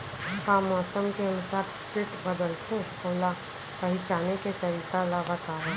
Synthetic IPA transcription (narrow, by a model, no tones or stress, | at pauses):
paːmɔːsəmkeɐnʊsaːɾʈkɪʈbəd̪əlt̪ʰe | oːla | pɐɦɪt͡ʃaːneket̪ɐɾiːkalaːʋat̪aɦɛ